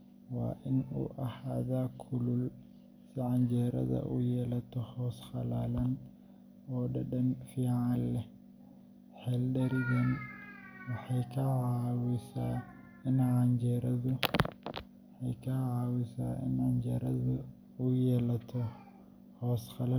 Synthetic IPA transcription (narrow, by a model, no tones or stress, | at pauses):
wɑ̰ːʔɪnṵːʔɐhaðaːkʰʊlʊl | sɪʕɑnd͡ʒɛːɾɐ̰ðɐ̰ʔuːjɛːlɐt̪ʰɔhɔːsχɑlaːlɐn | ɔːɖɐɖɐnfiːʕɑllɛ | ħɛlɗɐɾɪɣɐn | wɑħɑjkʰɐʕɑwɪsaː | ɪnʕɑnd͡ʒɛɾɐðʊ | ħɑjkʰɐʕɑːwɪsaːʔɪ̰nʕɑnd͡ʒɛɾɐðʊ | ujɛːlɐt̪ʰɔ | hɔːsχɑla